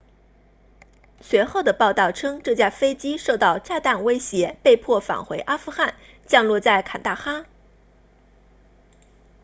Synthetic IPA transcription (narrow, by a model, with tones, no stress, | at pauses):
swɛ˧˥xo˥˩ʊd̪ə˩pɑ˥˧ʊt̪ɑ˥˩ʊʈ͡ʂʰɤ˥ŋʈ͡ʂɤ˥˩t͡ɕja˥fe˥ɪt͡ɕi˥ʂo˥˧ʊt̪ɑ˥˧ʊʈ͡ʂa˥˧t̪a˥˩nwe˥ɪɕjɛ˧˥pe˥˧ɪpʰwɔ˥˩fa̰˨˩ŋxwe˧˥ɪʔa˥fu˥˧xa˥˩n | t͡ɕjɑ˥˧ŋlwɔ˥˧t͡sa˥˩ɪkʰa˨˩nt̪a˥˩xa˥